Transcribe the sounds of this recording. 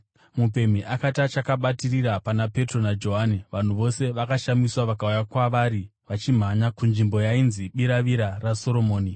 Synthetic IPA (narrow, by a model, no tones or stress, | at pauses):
mupe̞m̤iʔakatat͡ʃakaɓatiriɾapanape̞tro̞nad͡ʒo̞ɦaniʋan̤uʋo̞se̞ʋakaʃamiswaʋakaujakwaʋaɾiʋat͡ʃim̤aɲakunʐimbo̞jainziɓiɾaʋiɾaraso̞ɾo̞mo̞ːni